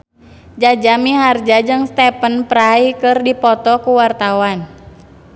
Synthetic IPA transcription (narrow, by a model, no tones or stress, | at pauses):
d͡ʒad͡ʒamiɦard͡ʒad͡ʒɨŋst̪ɛpənpəɾaikɨrdipɔt̪ɔkuwart̪awan